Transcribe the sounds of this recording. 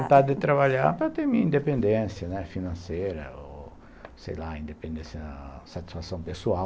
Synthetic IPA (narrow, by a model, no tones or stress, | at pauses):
nt̪ad̪d̪et̪ɾaβaʎaɾpɾat̪emiĩnd̪epẽnd̪ɛ̃nsjɐnɛfinãnsɛɾɐ̰o | sḛjlaĩnd̪epẽnd̪ẽsjɐsat̪i̥sfasõmpesua